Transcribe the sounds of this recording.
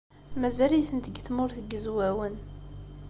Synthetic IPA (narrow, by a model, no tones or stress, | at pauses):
mæzæliθənt̪əɡθmʊɾθəɡəzwæwən